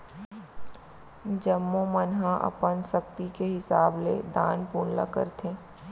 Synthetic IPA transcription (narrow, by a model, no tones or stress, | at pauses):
d͡ʒəmːõmənɦãʔɐ̰pənʃɐk̚t̪ikeɦɪsaːblḛd̪aːnpuːnla̰kə̰ɾt̪ẽː